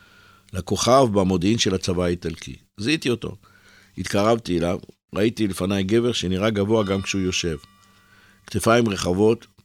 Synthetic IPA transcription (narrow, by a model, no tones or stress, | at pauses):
lako̞χavbamo̞d̪imʃe̞lat͡savaːit̪alkḭ | zit̪io̞to̞̰ | it̪kaʁavt̪ielav | ʁait̪ilefanajɡe̞veʁʃeniʁaɡavo̞aɡamkʃeujo̞ʃe̞v | kt̪efaimʁe̞χavo̞t̪